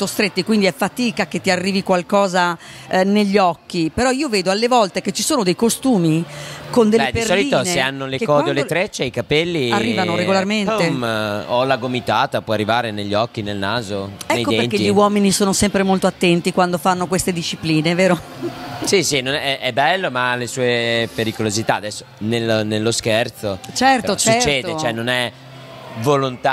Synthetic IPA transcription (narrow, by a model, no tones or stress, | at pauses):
t̪ost̪ɾet̪ːikwind̪iɛfːat̪iːkaket̪ːiarːiːvikwalkɔːzaneʎːɔkːipeɾɔiːoveːd̪oalːevɔlt̪eket͡ʃːisoːnod̪ejkost̪uːmikond̪elːeɛdpiesrɔlitionseeanːolekɔːd̪eolet̪ɾet͡ʃːeikapɛlːiarːiːvanoɾeɡolarment̪emolaɡomit̪aːt̪apwɔarːivaːɾeneʎːiɔkːinelna̰ːzoɛnejkːod̪ɛenkːeʎːiwɔːminisoːnosɛmpɾemolt̪oat̪ːɛnt̪ikwand̪ofanːokwest̪ed̪iʃːipliːneveːɾo | sisinonɛʔɛbːɛlːomalesuːepeɾikolozit̪aːd̪ɛsːo̥nelnelːoskɛrt̪sot͡ʃɛrt̪ot͡ʃsuɛt͡ʃːɛːd̪et͡ʃɛnːonɛ | volont̪a